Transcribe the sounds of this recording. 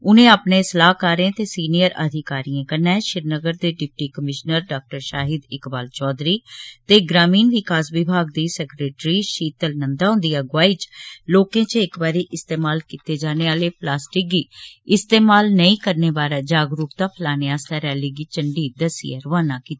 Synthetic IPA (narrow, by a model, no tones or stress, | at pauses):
ʊnẽːaːpnẽːsəlaːkaːɾẽːt̪eːsiːnijəɾə̰d̪ʱɪkaːɾijãːkənːɛ̃ːʃɪɾnəɡəɾd̪eːɖɪp̚ʈiːkəmɪʃnəɾɖaːk̚ʈəɾʃaːɦɪd̪ɪkbaːlt͡ʃɔːd̪ɾiːt̪eːɡɾaːmiːnʋɪkaːsʋɪbʱaːɡd̪iːsɛːkɾeːʈɾiːʃiːt̪əlnənd̪aːɦʊ̃nd̪iːaːɡʊaːit͡ʃloːkẽːt͡ʃɪkbaːɾiːʔɪst̪eːmaːlkit̪eːd͡ʒaːneːaːleːplaːsʈɪkiːɪst̪eːmaːlnəĩːkəɾneːbaːɾaːd͡ʒaːɡɾʊkt̪aːpʰlaːneaːst̪aɾɛːliːɡiːt͡ʃəɳɖiːd̪əsḭɛ̰ːɾəʋaːnaːkiːt̪a